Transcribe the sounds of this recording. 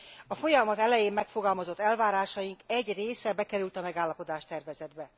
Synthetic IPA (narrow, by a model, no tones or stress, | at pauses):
ɒfo̞jɒmɒt̪ɛlɛjeːmmɛkfo̞ɡɒlmɒzo̞t̪ːɛlvaːɾaːʃɒjiŋkɛɟreːsɛbɛkɛɾylt̪ɒmɛɡaːlːɒpo̞d̪aːʃt̪ɛrvɛzɛd̪bɛ